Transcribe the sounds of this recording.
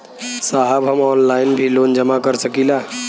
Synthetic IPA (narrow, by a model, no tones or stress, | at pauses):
saɦəbɦəmɔnlainbʱilond͡ʒəmakəɾsəkila